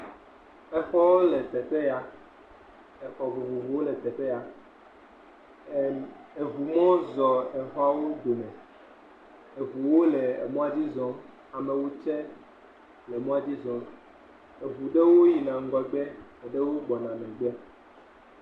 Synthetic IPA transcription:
e˨xɔ˦wo˦le˨t̪ɛ˨te˦ja˨ | e˨xɔ˨vu˨vu˨vu˨wo˦le˨t̪ɛ˨te˦ja˨ | e˨vu˨mɔ̃˦zɔ˨e˨ɦɔ˦a˦wo˦d̪o˨nɛ̃˨ | e˨vu˨wo˦le˨ḛ˨mõ˦a˦d͡ʑi˦zɔ̃˦ | a˨mẽ˨wo˦t͡ʃɛ˦ | le˨mɔ̃˦a˨d͡ʑi˦zɔ̃˨ | e˨vu˨ɖe˦wo˦ji˨nã˨ŋ̩˦ɡɔ˨ɡ͡be˦e˨ɖe˦wo˦ɡ͡bɔ˨nã˨mɛ̃˨ɡ͡be˦ɛ˦

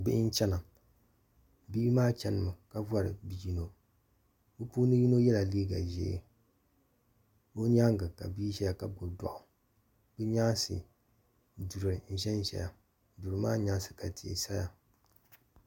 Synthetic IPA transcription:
bɪ˦ʔɪ˦n̩˦t͡ʃɛ˦na˨ | biː˦maː˦t͡ʃɛ˦nɨ˨mɨ˨ka˦vwa˦ɾɨ̰˨bi˦ji˦no˦ | o˦pu˦nɨ˦ji˦no˦jɛ˦la˨liː˦ɡa˨ʒɛ̰˨ḛ˨ | o˦ɲa˦ŋɡɨ˨ka̰˨biː˦ʒɛ˦ja˨ka˦ɡo˨da̰˨ʔʊ˨ | bɨ˦ɲa˦sɨ̰˨ | du˨ɾɨ˨n̩˨ʒɛ˦n˨ʒɛ̰˨ja˨ | du˨ɾɨ˨maː˦ɲa˦sɨ˨ka˨ti˨ḛ˨sa˦ja˨

